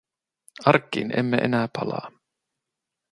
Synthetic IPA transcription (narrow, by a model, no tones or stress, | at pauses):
ɑrkːiːnemːeʔḛnæːpɑlɑ̰ː